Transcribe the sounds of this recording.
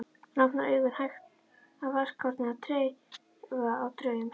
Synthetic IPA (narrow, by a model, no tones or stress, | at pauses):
napnaœːɥɣʏɾhajxt̪ | awvar̥kʰːɔɾt̪nɪat̪ʰɾeːj | vaawt̪ʰɾœːɥjʏm